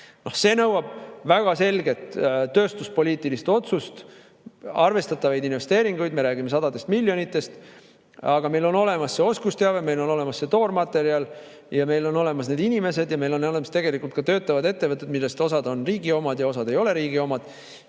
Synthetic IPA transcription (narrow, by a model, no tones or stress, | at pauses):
nohse̞ːnɤwɑb̥væɡ̥ɑse̞lɡe̞t̪t̪ːø̞ːst̪uspo̞liːt̪ːˑilist̪o̞t̪sust̪ | ɑrve̞st̪ɑt̪ːˑɑvɑjd̪inve̞st̪e̞ːɾiŋɡ̥ujd̪me̞ɾæːɡime̞s̬ɑd̪ɑd̪e̞st̪milʲːjo̞nit̪ˑːe̞st̪ | ɑɡ̥ɑme̞jlo̞no̞le̞mɑsːeo̞skust̪eɑveme̞jlo̞no̞le̞mɑsːe̞t̪o̞ːrmɑt̪ːe̞ɾiɑl | jɑme̞jlo̞no̞le̞mɑsne̞d̪inime̞se̞d̪jɑme̞jlo̞nolemɑst̪e̞ɡ̥e̞likult̪̚kɑt̪øːt̪ːˑɑvɑd̪e̞t̪ːevɤt̪ːˑed̪milːe̞st̪o̞sɑd̪o̞nriːɡ̥io̞mɑd̪jɑo̞sɑd̪̥e̞jo̞le̞ɾiːɡio̞mɑd̪̥